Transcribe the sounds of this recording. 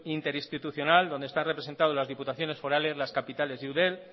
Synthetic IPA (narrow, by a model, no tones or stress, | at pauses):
int̪e̞ɾist̪it̪uθjo̞nald̪o̞nd̪est̪anre̞pɾee̞nt̪að̞o̞zlazðiput̪aθjo̞ne̞sfo̞ɾale̞zlaskapit̪ale̞zðuðel